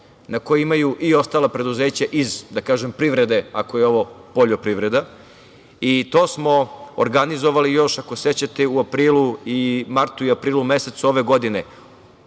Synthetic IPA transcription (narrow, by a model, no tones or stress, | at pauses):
nako̞jiimajuʔio̞st̪aːlˠapɾe̞d̪uze̞ːt͡ɕaʔizd̪akaːʒempɾiʋɾe̞d̪e̞ako̞jeo̞ʋo̞poʎopɾiʋɾe̞d̪a | it̪o̞ːsmo̞oɾɡanizoʋalijo̞ʃakose̞t͡ɕat̪euapɾiːlˠuimaɾt̪uiapɾiːlume̞se̞t̪suo̞ʋe̞ɡo̞d̪ine